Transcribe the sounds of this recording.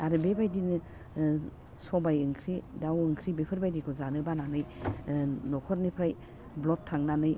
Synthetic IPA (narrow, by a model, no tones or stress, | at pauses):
aɾɯbebajdinɯ | sɔbajɯŋkʰɾidawɯŋkʰɾibepʰɯɾbajdikʰɔzanɯbananɯj | nɔkʰɔɾnipʰɾaj | blɔtʰːaŋnanɯj